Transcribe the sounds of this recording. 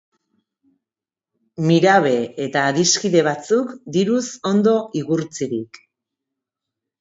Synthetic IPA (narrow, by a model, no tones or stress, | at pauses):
miɾaβ̞e̞et̪aːðiskiðe̞β̞at͡sukd̪iɾuso̞nd̪o̞ʔiɣuɾt͡siɾik